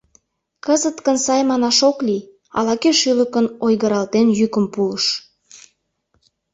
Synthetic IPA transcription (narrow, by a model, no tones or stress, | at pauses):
kəzət̪kənsɑjmɑnɑʃokli | ɑ̰lɑkeʃyləkənojɣəɾɑlt̪enjykəmpuləʃ